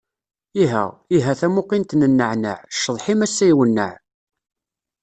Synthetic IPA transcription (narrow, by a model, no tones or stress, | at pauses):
iɦæ̰iɦæθæmʊqint̪nənːəʕnə̰ʕʃːəðˤħimæsːæjwənːə̰ʕ